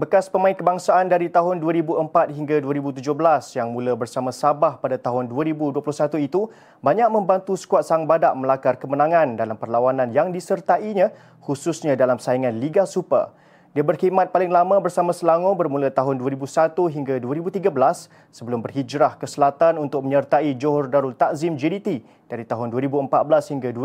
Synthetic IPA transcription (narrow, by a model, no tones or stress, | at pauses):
bəkaspəmãɪnkəbaŋsaʔandaɾit̪aɦʊnduaɾibuəmpat̪̚ɦiŋɡaduaɾibut̪ud͡ʒʊhbəlasjaŋmũlabərsamãsabahpadat̪aɦʊnduəɾibuduəplʊhsat̪uit̪u | baɲaʔ̚mə̃mbant̪usə̥kuat̪̚saŋbadaʔməlakarkəmənãŋãndalampərlawanãnjaŋdisərt̪aʔiɲã | hususɲadalamsaiŋãnliɡasupa̰ | diabərhimãt̪̚palɪŋlamãbərsamãsəlaŋobərmũlat̪aɦʊnduəɾibusat̪uɦiŋɡaduəɾibut̪iɡabəlasː | əbəlʊmbərhid͡ʒɾahkəsəlat̪anunt̪ʊk̚məɲərt̪aid͡ʒoɦʊrdaɾʊlt̪aʔzimd͡ʒedit̪i | d̥aɾit̪aɦʊnduəɾibuəmpat̪̚bəlashiŋɡad